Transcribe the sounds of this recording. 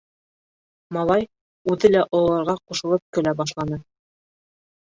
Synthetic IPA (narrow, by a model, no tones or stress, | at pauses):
mɑlˠɑj | ʉðɘlæʔŏlˠɑɾʁɑquʃɤ̆lˠɤp̚kɵ̆læbɑʃ̬lˠɑnɤ